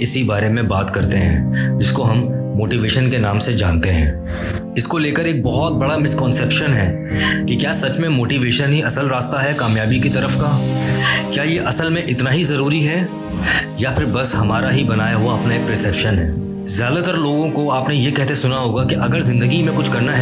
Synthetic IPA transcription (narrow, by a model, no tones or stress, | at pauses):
ɪsibaːɾemẽbaːt̪kɐɾt̪eɦɛ̰̃ːd͡ʒɪskoɦɐmːoːʈiːʋeːʃənkenaːmsed͡ʒa̰ːnt̪eɦɛ̰̃ː | ɪskoleːkəɾeːk̚bɔɦɔt̪̚bɐɽamɪskɔ̃ːnsɛːpʃənɦɛː | kikjaːsɐt͡ʃmẽmoːʈiːʋeːʃənɦiʔɐsəlɾaːst̪aɦɛkaːmjaːbikit̪ɐɾəfkaː | kjaːjeʔɐsəlmẽʔɪt̪naɦizɐɾuːɾiɦɛ | japʰɪɾbɐsɦɐmaːɾaɦibɐnaːjaɦuaɐpnaeːkɾɪsɛpʃənɦɛ̰ː | zjaːd̪at̪əɾloːɡõkoaːpnejekɛɦt̪esʊnaɦoːɡakiʔɐɡəɾzɪ̃nd̪əɡimẽkʊt͡ʃʰkɐɾnaɦɛ